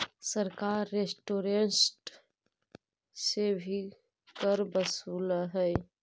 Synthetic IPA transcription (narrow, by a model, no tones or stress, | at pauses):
səɾkaːɾːesʈoːɾensʈ | sebʱi | kəɾbəsuːləɦɛ